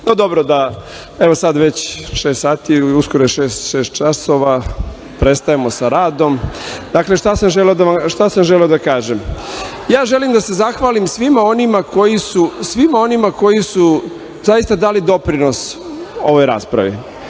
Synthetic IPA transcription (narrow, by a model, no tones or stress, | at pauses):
nod̪obɾod̪a | eʋosad̪ʋet͡ɕʃeːst̪saːt̪iuskoɾojeʃeːst̪ʃeːst̪̚t͡ʃaso̞ʋa | pɾest̪ajemosaɾaːd̪o̞md̪akle̞ʃt̪asamʒeleod̪aʋamʃt̪asamʒeleod̪akaːʒem | jaːʒe̞limd̪ase̞zaxʋaːlimsʋimao̞nimako̞jisusʋimao̞nimako̞jisu | zajist̪ad̪aːlid̪o̞pɾino̞s | o̞ʋo̞jɾa̰ːspɾa̰ʋḭ